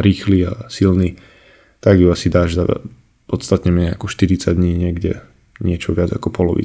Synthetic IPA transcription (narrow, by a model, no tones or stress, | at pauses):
ɾiːxliasilni | t̪aɡjuasid̪aːʒd̪ad̪̰ | pɔt̪st̪at̪ɲɛmɪɛɛakɔʃt̪iɾit͡saɟd̪ɲiːɲɪɛɡɟɛ̰ | ɲɪɛt͡ʃɔʋɪad͡za̰kɔpɔlɔʋḭ